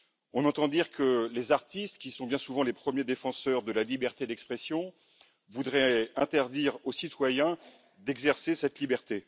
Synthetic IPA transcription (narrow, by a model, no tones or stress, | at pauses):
ɔ̃nɑ̃t̪ɑ̃d̪iʁkəlezaʁt̪ist̪kʲisɔ̃bjɛ̃suvɑ̃lepχəmjed̪efɑ̃sœʁd̪əlalibɛʁt̪ed̪ɛkspχɛsjɔ̃ | vud̪ʁɛɛ̃t̪ɛʁd̪iʁosit̪wajɛ̃ | d̪ɛɡzɛʁsesɛt̪libɛʁt̪e